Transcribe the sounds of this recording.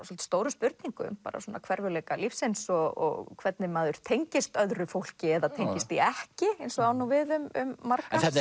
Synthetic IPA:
sɔlt̪st̪oːwɾʏmspʏɾt̪niŋkʏʏmpaːɾa̰sɔːna̰kʰvɛɾvʏlɛːjkalifsensɔɣɔ̰ɣkʰvɛt̪nɪmaːðʏɾ̥t̪ʰejɲcɪst̪œðɾʏfowl̥cɪɛðat̪ʰejɲcɪst̪iɛhcɪejnsɔɣaːwnuvɪðʏmʏ̰mːaɾkaθɛt̪n

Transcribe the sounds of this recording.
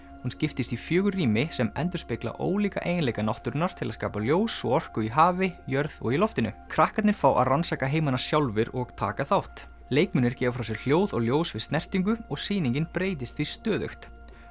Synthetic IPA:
hunscɪft̪ɪst̪ifjœːɣʏriːmɪsɛmɛ̰nt̪̬ʏɾ̥spɪkla̰ʔo̰ːwliːka̰ʔeːjɪnlejkanɔht̪ʏɾnaɾ̥t̪ʰɪlaðska̰ːpaljoːwsɔɔr̥kʏiɦaːvɪjœɾðɔ̰ɣilɔft̪ɪnʏkʰɾahkat̪nɪɾ̥faːwʔa̰ðransaːkaɦeːjmanasjawlvɪɾɔɣt̪ʰa̰ːkaθawht̪ | leːjkmʏnɪɾ̥cɛːvafɾaws̬ɛɣl̥joːwðɔɣljoːwsvɪðst̪nɛr̥t̪iŋkʏɔɣsiːniŋɲcɪnpɾeːjt̪ɪst̪vist̪œːðœ̰xt̪

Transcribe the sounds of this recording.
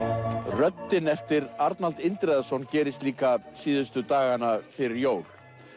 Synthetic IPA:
rœt̪ːɪnɛft̪ɪɾaɾt̪nalt̪ɪnt̪ɾɛðasɔwncɛːɾɪst̪liːkasiːðʏst̪ʏt̪aːɣanafɪɾɪɾjoːwl̥

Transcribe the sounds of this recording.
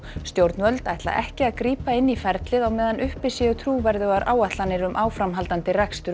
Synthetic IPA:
st̪jowɾt̪nvœlt̪a̰jht̪la̰ʔɛhcɪaðkɾiːpaɪnːifɛɾt̪lɪðawmɛːðanʔʏhpɪsɪjʏt̪ʰɾuːvɛɾðʏɣaɾʔa̰ːwat̪lanːɪɾʏmʔaːwfɾamɦalt̪ant̪ɪrakst̪ʏɾ

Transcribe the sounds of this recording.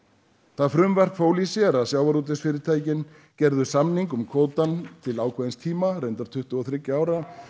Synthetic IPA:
θafɾʏmvɛr̥kfoːwlisɪɾaðsjaːwvaɾuːt̪̬ɪsfɪːɾɪɾ̥t̪ʰaːjcɪn | cɛɾðʏsamniŋkʏmkʰoːwt̪ant̪ʰɪlaːwkʰvɛðɪnst̪ʰiːmarejnt̪aɾ̥t̪ʰʏht̪ʏɔθɾɪcːaːwɾa

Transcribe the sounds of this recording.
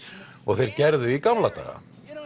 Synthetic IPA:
ɔɣθejɾcɛɾðʏikamlat̪a̰ːɣa̰

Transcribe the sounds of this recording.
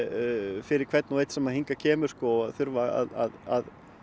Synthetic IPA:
fɪɾɪɾ̥kʰv̥ɛt̪nuejt̪sɛmahiŋkacʰɛːmʏɾ̥skɔaðθʏɾvaa̰ða̰ða̰ð

